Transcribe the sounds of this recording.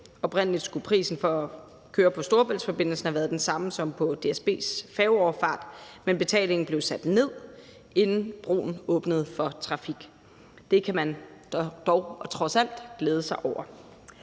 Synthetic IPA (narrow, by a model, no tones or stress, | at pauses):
ɒ̽b̥ʁen̰əlid̥sɡ̥upʰʁḭːsn̩fɒ̽ | kʰøːɐpʰɒ̽sd̥o̝ɐb̥elsfɒ̽b̥e̝n̰l̩sn̩hæʋæːɐðˠd̥ensɑ̈məsɒ̽mpʰɒ̽d̥e̝esb̥e̝̰ːsfɛːʊɒʊfɑ̰̈ːd̥menb̥e̝t͡sʰɛ̰ːle̝ŋn̩b̥le̝ʊsæd̥ne̝ð̰ˠ | e̝nn̩b̥ʁo̝̰ːn̩ɔ̽ːb̥nəð̞̩ˠfɒ̽t͡sʰʁɑ̈fiɡ̥ | d̥e̝kʰæmæn̥d̥ɒʊt͡sʰʁɒ̽sæl̰d̥ɡ̥leːð̞ˠəsɑ̈ɪʔɒʊ̰ɐ